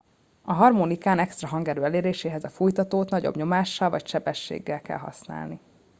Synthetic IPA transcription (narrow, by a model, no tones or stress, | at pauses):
ɒɦɒrmoːnikaːnɛkst̪rɒɦɒŋɡɛɾøːɛleːɾeːʃeːɦɛzɒfujt̪ɒt̪oːt̪nɒɟo̰bɲo̞maːʃːɒlvɒcʃɛbɛʃːḛːɡːɛlkɛ̰lɦɒ̰sna̰ːlni